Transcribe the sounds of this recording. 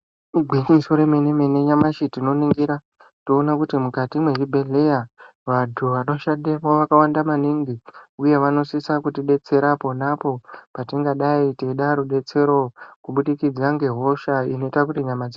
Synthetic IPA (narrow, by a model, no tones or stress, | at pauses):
ɡʱwiɲisoɾemenemeneɲamaʃitino̞niŋɡiɾa | toːnakutimukatimweribʱe̞ɮe̞ja | ʋadtʰuʋano̞ʃademoʋakawandamaniŋɡiuje̞ʋano̞sisakutiɗe̞t͡se̞ɾapo̞napo̞patiŋɡaɗaiteɗaɾuɗe̞t͡se̞ɾo̞kuɓuɗikid͡zaŋɡe̞ɦo̞ʃaino̞itakutiɲamad͡zi